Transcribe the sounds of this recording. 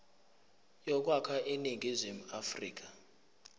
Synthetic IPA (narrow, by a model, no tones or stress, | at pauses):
jɔk̬wakʰaʔeniŋɡʱizim̩afrḭːk̬a